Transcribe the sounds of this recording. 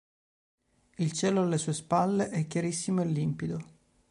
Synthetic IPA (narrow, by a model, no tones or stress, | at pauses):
ilt͡ʃɛːloalːesuːespalːeʔɛkʲːjaɾisːimoelːimpid̪o